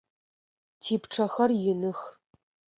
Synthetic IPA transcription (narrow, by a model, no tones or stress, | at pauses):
tʰiːpʈ͡ʂʰɐxɐrjɪnɨx